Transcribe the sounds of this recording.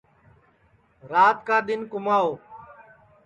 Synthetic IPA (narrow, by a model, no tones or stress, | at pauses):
ɾaːt̪kaːɗ̪ɪnkʊmaːoː